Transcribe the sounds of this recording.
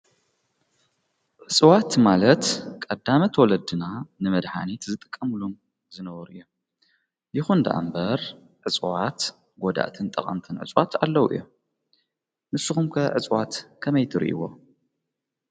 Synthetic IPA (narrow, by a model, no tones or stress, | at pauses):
ʕɨt͡sʼwat̪malɐt̪kʼɐd̪ːamɐt̪ʰwɔlɐd̪ɨnanɨmɐd̪ħa̰nit̪zɨt̪ʼɨ̥kʼːɐmlum | zɨnɐβɐɾʔɨ̰jːo | jɪxund̪ɐ̰ʔa̰mbɐɾ | ʕɨt͡sʼwat̪ | ɡod̪a̰ʔt̪ʰɨnt̪ʼɐ̰χʼɐ̰mt̪ʰɨnʕɨ̰t͡sʼwat̪ʰalːɐwʔɨ̰jːo | nɨsːɨxumkʰɐʕɨt͡sʼwat̪kʰɐmɐjt̪ʰɨɾḭʔḭwo̰